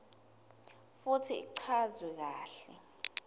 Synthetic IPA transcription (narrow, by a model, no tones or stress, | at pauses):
futʰiḭǀʰazwɛk̬aːɬɛ